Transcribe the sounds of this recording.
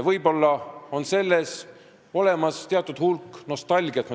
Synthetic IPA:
vɤjbo̞lːɑo̞nse̞lːe̞s | o̞le̞mɑst̪e̞ɑt̪ːˑud̪̥hulkːno̞st̪ɑlʲɡ̥iɑt̪m

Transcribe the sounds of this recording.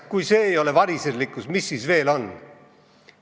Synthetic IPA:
kujse̞ːjo̞le̞vɑɾisedlikːˑusmisːisve̞ːlo̞n

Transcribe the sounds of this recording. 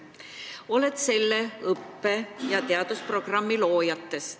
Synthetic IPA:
o̞le̞t̪se̞lːeɤpːejɑt̪e̞ɑd̪̥uspro̞ɡ̥rɑmːilo̞ːjɑt̪ːe̞s

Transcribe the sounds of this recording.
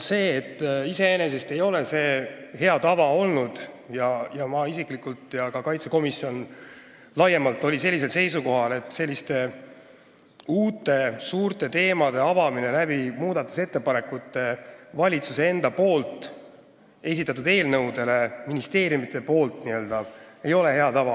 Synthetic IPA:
se̞ːt̪ːise̞ene̞s̬e̞st̪e̞jo̞le̞se̞ːhe̞ɑt̪ɑvɑo̞lnud̪̥ | jɑjɑmɑisikˑlikːˑult̪jɑkɑkɑjt̪seko̞misio̞n | lɑjemɑlt̪ːˑo̞lʲise̞lʲːis̬e̞lse̞jsuko̞ɦɑle̞t̪ːse̞lʲːist̪e̞ | uːt̪ːˑe̞suːɾt̪ˑe̞t̪e̞ːmɑd̪̥e̞ɑvɑmine̞næbimuːd̪̥ɑt̪ːˑu̥se̞t̪ːe̞pɑnekut̪ːˑe̞vɑlʲit̪susee̞nd̪̥ɑpo̞ːlt̪ˑ | e̞s̬ʲit̪ːˑɑt̪ːud̪e̞ːlnɤwd̪e̞le̞minist̪e̞ːɾjumit̪ːˑe̞po̞ːlt̪niøːld̪̥ɑe̞jo̞le̞he̞ɑt̪ɑvɑ

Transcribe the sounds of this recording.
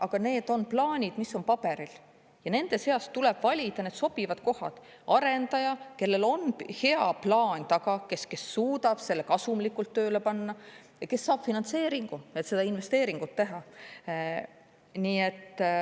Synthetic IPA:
ʔɑɡ̥ɑne̞ːd̪̥o̞nplɑːnʲid̪̥misːo̞npɑb̥eɾil | jɑne̞nd̪e̞se̞ɑstt̪ule̞b̥vɑlʲid̪̥ɑne̞d̪̥so̞b̥ivɑd̪̥ko̞hɑ̰d̪̥ | ɑɾe̞nd̪̥ɑjɑke̞lːe̞lo̞nhe̞ɑplɑːnʲt̪ɑɡ̥ɑke̞ske̞sːuːd̪ɑb̥se̞lːekɑsumlikːult̪ːøːle̞pɑnːɑ | jɑke̞sːɑːb̥finɑnt̪se̞ːɾiŋɡ̥uet̪se̞d̪ɑinve̞st̪e̞ːɾiŋɡ̥ut̪ːe̞ɦɑ | niːe̞t̪ː

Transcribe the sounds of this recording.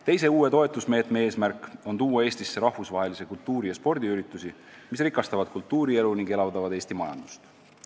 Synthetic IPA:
t̪e̞js̬e̞uːe̞t̪o̞e̞t̪ːˑusme̞ːt̪me̞eːsmærkːˑo̞nt̪uːwɑe̞ːsʲt̪isːeɾɑhvusvɑɦe̞lise̞kult̪ːuːɾijɑspo̞rd̪iyɾit̪ːˑusi | misrikːˑɑst̪ɑvɑd̪̥̚kult̪ːˑuːɾie̞luniŋɡ̥e̞lɑvd̪ɑvɑd̪eːsʲt̪imɑjɑ̰nd̪̥u̥st̪

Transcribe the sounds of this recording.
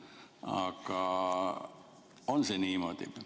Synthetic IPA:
ɑ̰kːɑ | onseniːmot̪ḭp

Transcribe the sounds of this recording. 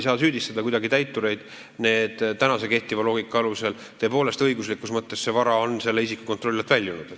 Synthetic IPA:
jsɑːsyːd̪ist̪ɑd̪ɑkujd̪ɑɡit̪æjt̪ːˑuɾe̞jd̪̥ | ne̞ːd̪̥t̪ːænɑse̞ke̞ht̪ivɑlo̞ːɡ̥ikːˑɑɑluse̞l | t̪ø̞ːpo̞ːle̞st̪ɤ̞jɡuslikːˑusmɤt̪ːe̞sse̞vɑɾɑo̞nse̞lːe̞isikːˑu̥ko̞nt̪ro̞lʲːɑt̪vælʲjulnːud̪

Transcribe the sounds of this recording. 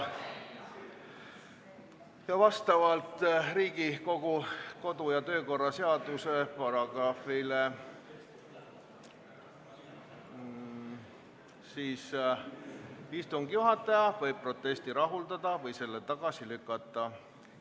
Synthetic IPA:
jɑvɑst̪ɑvɑlt̪ˑriːɡiko̞ɡ̥uko̞d̪ujɑt̪ø̞ːko̞rːɑse̞ɑd̪̥use̞pɑɾɑɡ̥rɑfile | siːs | ist̪uŋɡjuɦɑt̪ːˑɑjɑvɤjb̚pro̞t̪ːˑe̞st̪iɾɑɦuld̪ɑd̪̥ɑvɤjse̞lːet̪ɑɡ̥ɑsilykːˑɑt̪ˑːɑ

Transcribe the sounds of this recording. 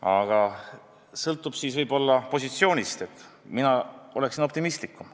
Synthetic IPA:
ɑ̰ɡ̥ɑ | sɤlt̪ːˑub̥siːsvɤjbo̞lːɑpo̞sit̪sio̞ːnʲist̪e̞t̪ːˑ | minɑo̞le̞ksino̞p̚t̪imist̪likːˑum

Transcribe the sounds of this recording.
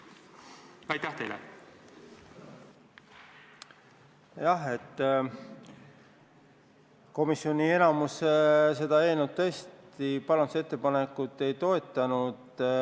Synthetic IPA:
ɑjt̪ːæht̪ejlḛ | jɑɦe̞t̪ːˑ | ko̞misːio̞nʲie̞nɑmusese̞d̪ɑe̞ːlnud̪̚t̪ɤ̞st̪ipɑlɑnd̪use̞t̪ˑːe̞pɑne̞kːˑut̪ːˑe̞jt̪o̞e̞t̪ːˑɑnud̪̥

